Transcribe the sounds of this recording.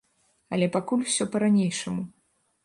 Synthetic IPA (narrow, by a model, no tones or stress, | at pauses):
ɐlʲɛpakulʲwsʲɔpɐɾanʲejʂɐmu